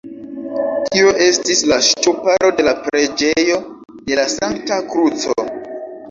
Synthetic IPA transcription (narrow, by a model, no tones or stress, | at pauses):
tʰioʔe̞stislaʃtupaɾo̞de̞lapɾe̞d͡ʒe̞jo̞ | de̞lasaŋktakɾut͡so̰